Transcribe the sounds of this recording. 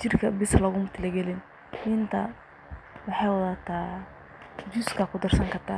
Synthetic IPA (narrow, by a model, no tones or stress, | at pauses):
t͡ʃɪrkʰɐbɪsɐlɐɣʊmʊt̪ʰɪlɐɡɛlɪn | ɪnt̪ʰɐ | wɑħɑjwɐðaːt̪ʰaː | d͡ʒuskʰɐkʰʊd̪ɐrsɐŋkʰɐt̪ʰa